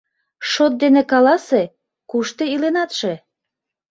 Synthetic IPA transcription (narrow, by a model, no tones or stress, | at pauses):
ʃot̪̚d̪enĕkɑlɑse | kuʃt̪eilenɑt̪ʃe